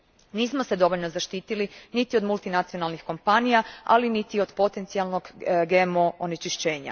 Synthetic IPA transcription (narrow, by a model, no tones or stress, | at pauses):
niːsmose̞d̪o̞ʋoʎnozaʃt̪iːt̪ilinit̪io̞d̪mulˠt̪inat̪sio̞nalnixko̞mpanijaa̰linit̪io̞d̪po̞t̪e̞nt̪sialˠno̞ɡɡemo̞onet͡ʃiʃt͡ɕe̞ːɲa̰